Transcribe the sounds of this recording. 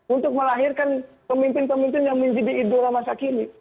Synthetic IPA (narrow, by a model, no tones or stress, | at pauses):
unt̪ʊk̚məlaɦirkan | pəmimpɪnpəmimpɪnjaŋməɲd͡ʒadiːdolamasakini